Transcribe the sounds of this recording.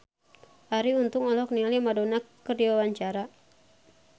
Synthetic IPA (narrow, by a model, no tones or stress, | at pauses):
ʔaɾiunt̪ʊŋɔlɔk̚nialimadonakədiwawaɲt͡ʃaɾa